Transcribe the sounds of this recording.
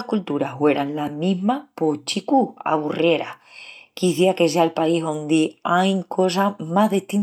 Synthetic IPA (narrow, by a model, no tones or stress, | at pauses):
kult̪uɾaɦwe̞ɾanlamĩɦmapot͡ʃikua̰βurje̞ɾa̰ | kiθjake̞s̬eaelpaiɦond̪iajŋkʰo̞s̬amaɦðiht̪in